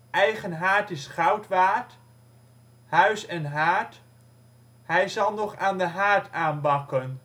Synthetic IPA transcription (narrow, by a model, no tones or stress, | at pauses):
ʔɛjχənɦaːɹtɪsχɑwtʋaːt | hœɥsɛnɦaːɹt | ɦɛjzɑlˠnɔχaːndəɦaːɹtʰaːnbɑkən